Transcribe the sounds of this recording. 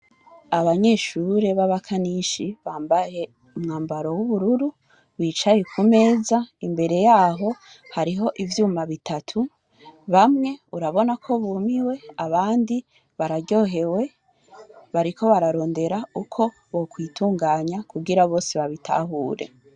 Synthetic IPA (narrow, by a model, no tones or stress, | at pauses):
aβaɲe̞ːʃuɾe̞βaβakʰaniʃiβaːmbaje̞ | umŋaːmbaɾo̞wuβuɾuɾu | βiːt͡ʃajekʰume̞ːzaimbe̞ɾe̞jaːɦo̞ | haɾiɦo̞ʔivjuːmaβitʰatʰu | βamŋe̞uɾaβo̞nakʰo̞βuːmiwe̞aβaːndi | βaɾaɟo̞ːɦe̞we̞ | βaɾikʰo̞βaɾaɾo̞ːnde̞ɾaukʰo̞ | βo̞kwiːtuːŋɡaːɲakuɡiɾaβo̞ːseβaβitʰa̰ɦuːɾe̞̰